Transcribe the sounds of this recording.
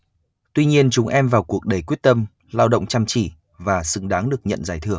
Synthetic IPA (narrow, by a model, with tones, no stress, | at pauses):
t̪wi˧ɲi˧ənt͡ɕʊ˨˦ŋ͡mʔɛ˧mvaː˨˩wku˨˩ək̚ɗe˨˩kwi˦˥ət̚t̪ə˧m | laː˧wɗə̰˧˨wŋ͡mt͡ɕa˧mt͡ɕḭ˧˩˨ | vaː˨˩sɨ̰˧˩ŋɗaː˨˦ŋɗɨ˨˩ək̚ɲə̰˧˨nzaː˧˩jt̪ʰɨ˧˩əŋ